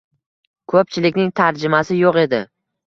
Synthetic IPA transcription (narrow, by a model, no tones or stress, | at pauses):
kʰɵp̚t͡ʃʰɪlɪkʲnɪŋt̪ʰaɾd͡ʒɪmasɪjoqe̞d̪ɪ